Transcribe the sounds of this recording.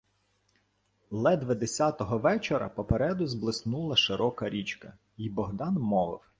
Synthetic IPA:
lˠɛd̪ʋɐd̪esʲat̪ɔɦɔʋɛt͡ʃeɾɐ̰pɔpeɾɛd̪ʊzblˠɪsnulˠɐʃɪɾɔkɐɾʲit͡ʃkɐ | ibɔɦd̪ɑnmɔʋɪ̰w

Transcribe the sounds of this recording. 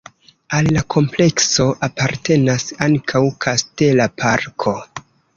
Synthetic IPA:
alːakʰo̞mple̞kso̞ʔapaɾte̞nasaŋkʰawkʰaste̞lapʰaɾkʰo̞

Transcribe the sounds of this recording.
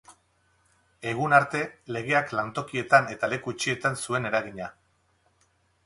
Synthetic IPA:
e̞ɣunaɾt̪e̞le̞ɣe̞aklant̪o̞kie̞t̪ane̞t̪ale̞kut͡ʃiet̪ansue̞ne̞ɾaɣ̞iɲa

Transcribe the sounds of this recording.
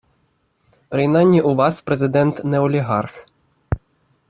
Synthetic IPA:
pɾɪjnanʲːiʔuʋɑspɾezɪd̪ɛnt̪nɛɔlʲiɦɑrx

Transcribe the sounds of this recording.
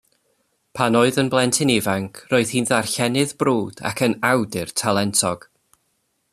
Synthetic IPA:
pʰanoːɨðənblˠɛntʰɪnɪvaŋkʰroːɨð̥hiːnðarɬɛnɪðbroːd̥a̰kʰənawdɪrtʰalˠɛntʰɔɡ̥

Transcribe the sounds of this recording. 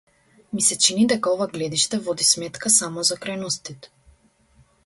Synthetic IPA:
misɛt͡ʃinid̪ɛkaɔvaɡlɛd̪iʃt̪ɛvɔd̪ismɛt̪kasamɔzakɾajnɔst̪it̪

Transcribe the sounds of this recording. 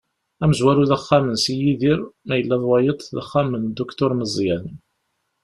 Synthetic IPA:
æməzwæɾuðæχːamənsijiðiɾmæjəlːæðˤwɑjət̪ˤðə̰χːamənd̪ukt̪ʊɾməzˤjæn

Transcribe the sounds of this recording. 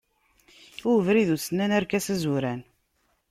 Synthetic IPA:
uvɾiðusənːænæɾkæsæzuɾæn

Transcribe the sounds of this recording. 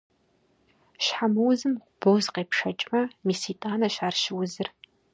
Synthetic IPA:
ʃħamɨwzɨmqʷʊb̥owzqeːpʃɐt͡ʃʼmɐmiːsiːtʼaːnɐʃaːrʃɪwzɨr

